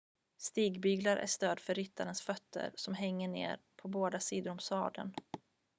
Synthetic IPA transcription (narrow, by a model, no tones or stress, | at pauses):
st̪iːɡbyːɡlaɾʔæ̰ʂt̪øːd̪fœɾːʏt̪ːaɾənsfœt̪ʰːə̰ɾsɔmɦɛŋːəɳḛːɾpʰɔboːd̪asiːd̪ʊɾɔmsɑːd̪ə̰n